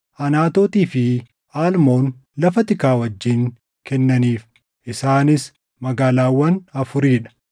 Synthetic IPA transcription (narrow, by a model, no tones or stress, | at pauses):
ʔɐnaːt̪oːt̪iːfɪ | aːlmo̞ːnlɐfɐt̪ɪkaːwɐd͡ʒːiːŋ | kɛnːɐniːf | ʔɪsaːnɪs | mɐɡaːlaːwːɐnɐfʊɾiːᶑɐ̥